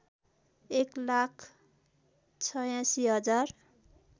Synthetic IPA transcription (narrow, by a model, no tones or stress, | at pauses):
eklakʰ | t͡sʰʌjãsiɦʌd͡zar